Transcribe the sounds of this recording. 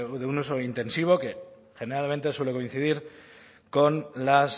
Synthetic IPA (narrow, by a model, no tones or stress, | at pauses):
ðeunuso̞int̪e̞nsiβ̞o̞ke̞ | xe̞ne̞ɾalment̪e̞swe̞le̞ko̞inθið̞iɾ | ko̞nlas